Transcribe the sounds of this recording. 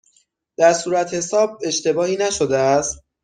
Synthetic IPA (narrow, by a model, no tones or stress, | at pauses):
d̪̥æɾsuːɾæt̪he̞sɒːb̚e̞ʃt̪e̞bɒːhiːnæʃod̪eæst̪̚